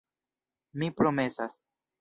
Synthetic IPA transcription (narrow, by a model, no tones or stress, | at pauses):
mipɾo̞me̞sas